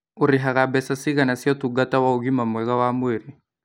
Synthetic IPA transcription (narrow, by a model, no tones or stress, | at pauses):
uɾiɦaɣabɛsasiɡanasiɔt̪uɡat̪awauɡimamwɛɣawamuiɾi